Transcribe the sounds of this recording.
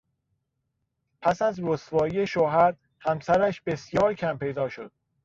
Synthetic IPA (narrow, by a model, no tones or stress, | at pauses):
pʰæsæzɾosvɒːije̞ʃoɦæɾ | hæmsæɾæʃbe̞sjɒːɾcʰæmpʰe̞jd̪ɒːʃo̞d̪̥̚